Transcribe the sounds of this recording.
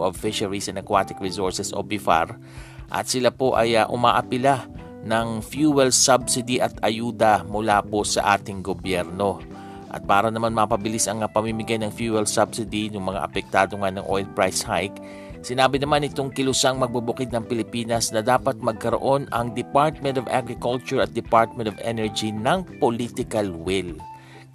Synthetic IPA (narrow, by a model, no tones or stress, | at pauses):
ʔɐvfɪʃɐɹisɐnɐkwaːt̪ɪkɹɛsoɹsɛsʔobɪfa̰ɾ | ʔɐ̰t̪sɪlapo̞ʔɐ̰jɐʔʊmaːʔɐpɪla | nɐŋfjuːwɛlsɐbsɪd̪iʔɐt̪ɐjuːd̪ɐmʊlaːpo̞sɐ̰ʔaːt̪ɪŋɡobjɛɾno̞ | ʔɐ̰t̪̚paːɾɐnɐmanmɐpɐbɪlɪsɐŋɐpɐmimɪɡajnɐŋfjuwɛlsɐbsɪd̪inʊŋmɐŋa̰ʔɐpɛk̚t̪aːd̪oŋanɐŋʔojlpɹajshajk | sɪnaːbɪnɐmanɪt̪oŋkɪlʊsaŋmɐɡ̚bɐbʊkɪd̪̚nɐŋpɪlɪpiːnɐsnɐd̪aːpɐt̪̚mɐɡ̚kɐɾoʔo̞nɐŋd̪ɪpaɹt̪̚mɛ̃nt̪ovʔa̰ɡɾɪkolt͡ʃʊɹɐt̪̚d̪ɪpaɹt̪̚mɛ̃nt̪ovʔɛnɛɹd͡ʒinɐŋpolit̪ɪkɐlwɪl